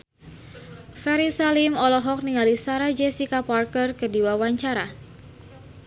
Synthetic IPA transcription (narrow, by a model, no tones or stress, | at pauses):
fɛɾisalimɔlɔɦɔk̚niŋalisaɾad͡ʒɛsikaparkərkədiwawaɲt͡ʃaɾa